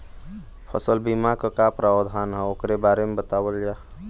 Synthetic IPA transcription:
pʰə̰səlbimakəkapɾawəd̪ʱanɦəokɾebaɾemebət̪awəld͡ʒa

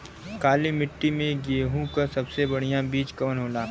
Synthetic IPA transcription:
kaːlimɪʈːimẽɡeːɦũkasɐbsebɐɽ̤ijãbiːt͡ʃkɐʋənɦoːlaː

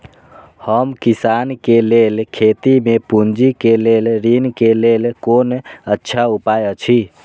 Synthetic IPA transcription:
həmkisankelelkʰet̪imepund͡ʒikelelɾinkelelkonətːʃʰaupajət͡ʃʰi

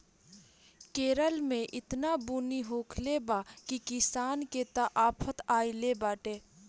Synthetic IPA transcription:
keːɾəlmẽʔɪt̪nabuniɦoːkʰlebakikɪsaːnket̪aʔaːpʰət̪aːilebaːʈeː

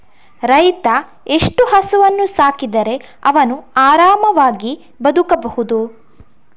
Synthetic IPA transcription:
ɾɐjt̪ɐ | e̞ʂʈuɦɐsuʋɐnːusaːkid̪ɐɾe̞ | ɐʋɐnuaːɾaːmɐʋaːɡi | bɐd̪ukɐbɐhud̪u

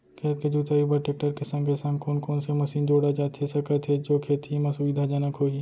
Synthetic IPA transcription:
kʰeːt̪ked͡ʒuːt̪aːibəʈeːk̚ʈəɾkesə̃ŋɡesə̃ŋɡkoːnkoːnsemɐsiːnd͡ʒoːɽad͡ʒaːt̪ʰesɐkət̪ʰed͡ʒoːkʰeːt̪ʰimɐsʊʋid̪ʱad͡ʒanəkɦoːi

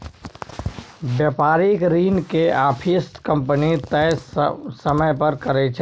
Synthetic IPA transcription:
bjaːpaːɾɪkɾiːnkeaːpʰisʈkə̃mpənit̪ɛːsəməjpəɾkɐɾet͡ʃʰ

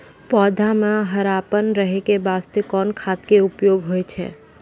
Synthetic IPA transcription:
pɔːd̪ʱamẽɦəɾaːpənɾəɦekebaːst̪ekɔːnkʰaːt̪keʊpjoːɡɦoet͡ʃʰɛ̰ː

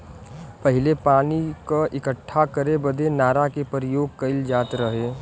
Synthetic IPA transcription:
pəɦɪlepaːnikaʔɪkəʈʰːakəɾebəd̪ʱenaːɾakepəɾɪjoːɡ̚kɐɪld͡ʒaːt̪ɾəɦeː

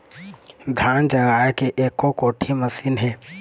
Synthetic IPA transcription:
d̪ʱaːnd͡ʒəɡaːekeʔeːkːokoːʈʰiməsinɦɛː

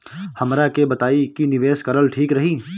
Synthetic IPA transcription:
hɐmɾakebɐt̪aːikinɪʋeːʃkɐɾəlʈʰiːkɾɐɦiː

